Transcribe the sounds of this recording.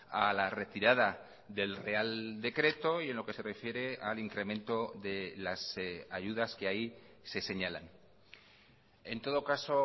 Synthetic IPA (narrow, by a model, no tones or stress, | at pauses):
alare̞t̪iɾaða | ðe̞lre̞ald̪e̞kɾe̞t̪o̞ie̞nlo̞ke̞se̞re̞fje̞ɾe̞aliŋkɾe̞ment̪o̞ðe̞lasaʝuð̞askeai | se̞se̞ɲala̰n | e̞nt̪o̞ð̞o̞kaso̞